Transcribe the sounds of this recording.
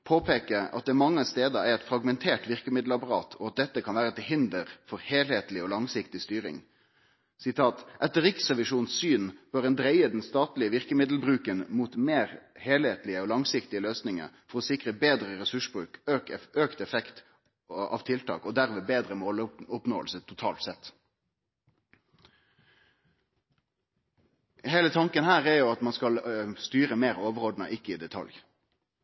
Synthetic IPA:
pʰoːpʰeːkəɑ̰t̪̚d̪ɛmɑŋːəst̪eːd̪əæɾɛt̪fɾɑɡmɛnt̪ʰeːʈʋɪʁkəmɪd̪l̩ɑpɑɾɑ̰ːt̪ʰɔɑt̪̚d̪ɛt̪ːəkʰɑnʋæːɾət̪hɦɪnd̪əɾfɔɾheːlheːt̪lɪɔlɑŋsɪkt̪ɪst̪yːɾɪ̰ŋ | sɪt̪ʰɑːt̪ʔɛt̪ːəɾɪksʁɛʋɪʂuːnssyːnb̥œɾɛnd̪ɾæɪəd̪ɛnst̪ɑːt̪lɪəʋɪʁkəmɪd̪l̩bɾʉːkənmuːt̪meːɾheːlheːt̪lɪəɔlɑŋsɪkt̪ɪəløːsnɪŋə̰fɔʁɔsɪkʁəbeːd̪ʁəʁɛsʉʂbʁʉ̰ːkøkøːkt̪ɛfɛkt̪ | ɑ̰ːʋt̪ʰɪlt̪ʰɑ̰ːkɔd̪æʁʋeːbeːd̪ʁəmoːlʊpno̰ːəlsət̪ʰʊt̪ʰɑ̰ːlt̪sɛt̪ː | heːlət̪ʰɑŋkənhæːʁɛɾjʊɑt̪mɑnskɑlst̪yːʁəmeːʁoːʋəʁɔd̪n̩ə̰ʔɪkːəɪd̪ɛt̪ʰɑ̰lj

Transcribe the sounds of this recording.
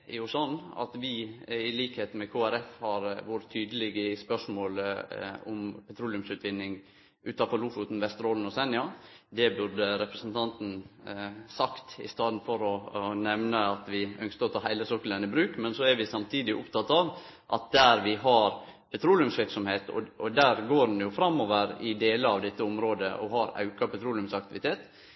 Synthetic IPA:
jʊsɔnːɑ̰t̪ʋɪɪliːkheːt̪mɛkʰoːæɾɛfhɑɾʋʊɾət̪ʰyːd̪əlɪɡəspœʂmoːl | ɔmpʰɛt̪ʰɾuːlʉmsʉːt̪ʰʋɪnːɪŋ | ʔʉːt̪ɑfɔɾluːfʊt̪n̩ʋɛst̪ɾoːlən̩ɔsɛnːɪɑd̪ɛbʉɾɖ̪əɾɛpɾəsnt̪ʰɑnt̪n̩ | sɑkt̪ɪ̰st̪ɑːd̪nfɔɾɔnɛʋnəɑt̪ʋɪœŋskəɾɔt̪ʰɑːhæɪləsoːkːələnəbɾʉːkmɛnsɔæɾʋɪsɑmt̪ʰiːd̪ɪʔʊpt̪ɑt̪ːɑʋ | ʔɑ̰t̪̚d̪æːɾʋɪɦɑɾ | pʰɛt̪ʰɾuːlɪʉmsʋɪɾksɔmheːt̪ɔ̰ɔd̪æːɾɡoːɾn̩jʊfɾɑmːoːʋəɾɪd̪eːləɑʋd̪ɛt̪ːəʊmɾoːd̪ə̰ʔɔ̰hɑɾɑ̰ʉkɑpɛt̪ʰɾuːlʉmsɑk̚t̪ɪʋɪt̪ʰeːt̪

